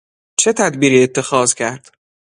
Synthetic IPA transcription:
t͡ʃʰe̞t̪ʰæd̪biːɾiːet̪ʰːe̞xɒːz̥cʰæɾd̪̥

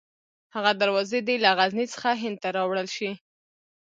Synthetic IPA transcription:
haɣad̪aɾwɑzed̪elaɣaznit͡sə̥xaɦɪnd̪̚t̪aɾɑwɽəlʃi

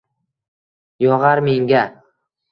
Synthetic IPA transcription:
jɒʁɑɾme̞ŋɡʲa

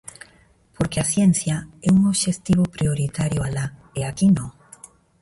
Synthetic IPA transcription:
poɾkeasjenθjaɛuŋoβʃest̪iβ̞opɾioɾit̪aɾjoala | eakino

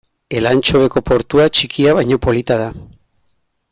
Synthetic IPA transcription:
e̞lant͡ʃo̞βe̞ko̞po̞ɾt̪uat͡ʃikiaβ̞ajɲo̞po̞lit̪aða

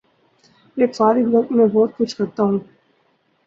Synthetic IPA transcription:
eːkfaːɾɪɡbɐk̚t̪mẽbɔːt̪̚kʊt͡ʃʰkɐɾt̪aɦũː

